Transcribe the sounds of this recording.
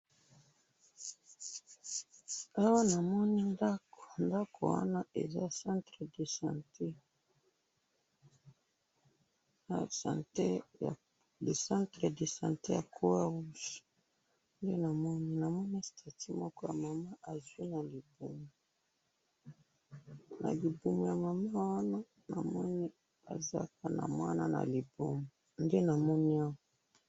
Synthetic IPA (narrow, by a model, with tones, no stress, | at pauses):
a˦wa˦na˨mɔ˦ni˦nda˦ko̥˨nda˦kʰo̰˨wa̰˦na˦ʔḛ˨za̰˦˨sã˦ntʁe˨de˨sa˨nte˦ | a˦˨sã̰˨nte˦ja̰˨ | le˨sã˦ntʁe˨de˨sã̰˨nte˦ja˨kʰo˦wa˦wu˦s | nde˦na˨mɔ˦ni˦na˨mɔ˦n˦i˦sta˨ti˦mɔ˦kɔ˦ja̰˨ma˨ma˦ʔa˨zwi˦na˨li˨bu˨mo˨ | na̰˨li˨bu˨mo˨ja˨ma˨ma˦wa˦na˦ | na̰˨mɔ˦ni˦ | a̰˨za̰˦ka˦na̰˨mwa˦na˦na̰˨li˨bu˦mo˨nde˦na˨mɔ˦ni˦a˦wa˦